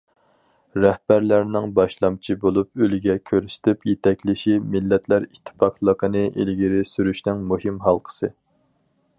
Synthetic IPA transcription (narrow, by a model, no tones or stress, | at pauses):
ɾɛhb̥æɾlæɾnɪŋbɑʃlˠɑmt͡ʃʰibolˠup̚ølɡʲɛkʲʰøɾsɪ̥t̪ʰypjet̪ʰɛkʲlɪʃimɪlːɛt̪ʰlæɾit̪ʰːɪ̥pɑqʰlˠəqʰənɨʔḛlɡʲiɾɪsyɾyʃnɪŋmuhɪmɦɑlˠqʰə̥sɨ